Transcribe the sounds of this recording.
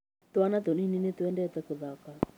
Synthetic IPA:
t̪oanat̪onininet̪wɛndɛt̪ɛkoðaka

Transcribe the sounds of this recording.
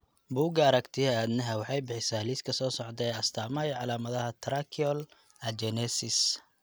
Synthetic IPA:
buːɡɐːɾɐkt̪ʰɪɐad̪nɐɦɐwɑħɑjbɪħɪsaːliskʰɐsɔːsɔʕd̪ɛɛːɐst̪ʰaːmɐjʕɑlaːmɐðɐɦɐt̪ʰɾakʰiɔl | ɐd͡ʒɛnɛsɪs

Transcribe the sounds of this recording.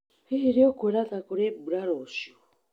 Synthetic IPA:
iɦiɾiokʷeɾatakoɾebuɾaɾoʃo

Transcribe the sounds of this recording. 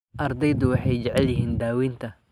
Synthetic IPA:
ʔɐrd̪ɛjd̪ʊwɑħɑjt͡ʃɐʕɛljɪɦiːnd̪aːwiːnt̪ʰɐ

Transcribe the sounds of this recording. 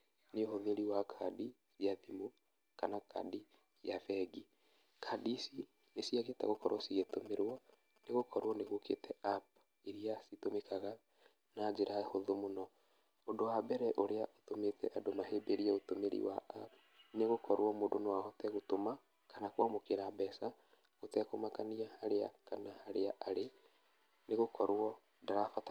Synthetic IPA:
neohoðeɾiwakʰadi | sjaðimu | kanaka̰di | jafɛɡi | kʰadisi | nesijaɣetɛ̰ɣokɔɾwɔsiɣetomeɾwɔ | neɣokʰɔɾwɔneɣokʰḛtɛap̚ | iɾiasitomekaɣa | nad͡ʒeɾʔahoðomonɔ | ondowabɛɾɛʔoɾeaʔotometɛ̰ʔadomaɦeːbeɾiɛotomeɾḭwa̰ap | neɣokɔɾwɔmodonewahɔtɛɣotoma | kanakwamokeɾabɛsa | ɣotɛkomakaniahaɾea̰kanahaɾeaʔaɾe | neɣokɔɾwɔ | daɾafata

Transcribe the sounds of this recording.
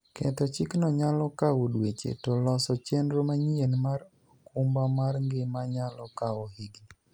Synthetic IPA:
kɛt̪ɔt͡ʃɪknɔɲalɔkawodwet͡ʃḛtolɔsɔt͡ʃendɾomaɲienmaɾ | ɔkumbamarŋɡɪmaɲalɔkaoheɡi

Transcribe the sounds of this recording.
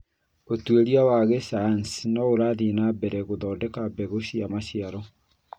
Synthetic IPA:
otweɾiawaɣesansnɔoɾaðinabɛɾɛɣoðɔːdɛkabɛɣoɕiamaɕiaɾɔ

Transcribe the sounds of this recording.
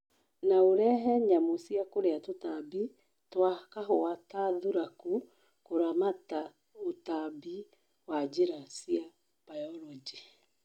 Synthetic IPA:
naoɾɛɦɛɲamosiakoɾeatotabi | twakaɦoataðuɾaku | koɾamata | otabi | wad͡ʒeɾasia | b̥ajɔlɔd͡ʒi

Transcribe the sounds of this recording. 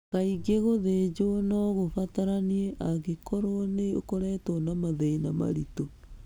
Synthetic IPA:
ɣaiɡeɣoðed͡ʑonɔɣofataɾanieʔaɣekɔɾoneokoɾɛtɔnamaðeinama̰ɾito

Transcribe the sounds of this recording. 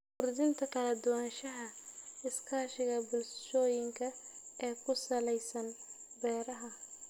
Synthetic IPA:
kʊrd̪ɪnt̪ʰɐkʰɐlɐd̪ʊwaːnʃɐɦɐɪskʰaːʃɪɣɐbʊlsʃɔːjɪŋkʰɐɛːkʰʊsɐlɛjsɐn | bɛːɾɐɦɐ

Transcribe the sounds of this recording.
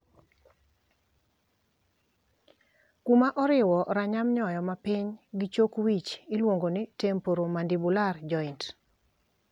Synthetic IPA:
kumaʔɔɾɪwɔɾaɲamɲɔjɔmapɪɲɡɪt͡ʃokwit͡ʃilwoŋɡonɪtempoɾomandibulard͡ʒɔɪnt

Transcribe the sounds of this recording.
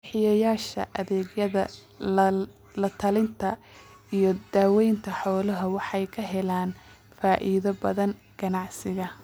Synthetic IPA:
ħɪjɐjaːʃɐ̰ʔɐðɛːɡjɐðɐ | lɐt̪ʰɐlɪnt̪ʰɐ | ijɞd̪̥aːwɛjnt̪ʰɐħɔːlɐɦɐwɑħɑjkʰɐɦɛlaːn | faːʔiːðɐbɐðɐn | ɡ̥ɐnɑʕsɪɣɐ

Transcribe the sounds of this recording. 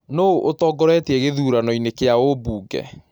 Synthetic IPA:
noʔotɔːɡɔɾɛteɛɣeðuːɾanɔinekeaobuːɡɛ̰

